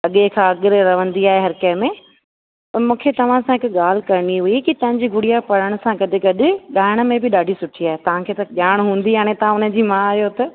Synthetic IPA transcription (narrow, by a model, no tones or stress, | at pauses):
ɐɠekʰãɐɠɪɾɾɐʋə̃nd̪iaːɦeɦɐɾkɐɪmẽ | pɐmũːkʰet̪ɐʋ̤ãsãɦɪkʊɠaːl̤ɪkɐɾɪɽiɦʊikit̪ɐ̃ɦɪ̃ɲd͡ʑiːɡʱʊɽijapɐɽəɽ̃̆sãkɐd̪ɪ̆kɐɗɪ̆ɠaːɪɽ̃ə̆mẽbɪɗaːɖʱisʊʈʰiaːɦet̪ɐʋ̤ãkʰeːt̪ɐʄaːɽ̃ɦũːn̆d̪ijaːɽ̃et̪ɐʋãʊnə̆d͡ʑiːmãaːɦijot̪ɐ